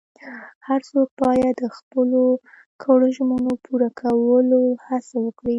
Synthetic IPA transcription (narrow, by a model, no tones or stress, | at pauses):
haɾsok̚pɑjad̪əxpəlo | kʰəɽəʒmənopʰuɾakʰawəlohasawəkɽi